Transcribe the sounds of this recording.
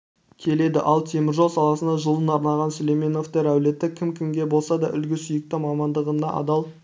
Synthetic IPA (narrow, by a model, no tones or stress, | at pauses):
kʲʰe̞le̞d̪ɪʔɑlˠt̪ʰe̞mɪɾʒolsɑlˠɑsənd̪ɑʒəlˠənɑɾnɑʁɑnsolejmeno̞ft̪e̞ɾæwle̞t̪ɪkʲʰɪmkʲʰɪŋɡʲe̞bolˠsɑd̪ɑʔʏ̰lɡʲɪsʏjɪk̚t̪ɪmɑmɑnd̪əʁənɑʔɑ̰d̪ɑlˠ